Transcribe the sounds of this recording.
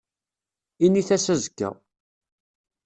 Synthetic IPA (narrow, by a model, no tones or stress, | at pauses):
iniθæsæzəkːæ̰